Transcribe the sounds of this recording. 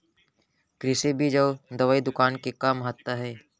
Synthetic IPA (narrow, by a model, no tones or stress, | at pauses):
kɾɪsebʱid͡ʒɐːd̪ɐʋaːid̪ʊkaːnkekamɦat̪aɦɛː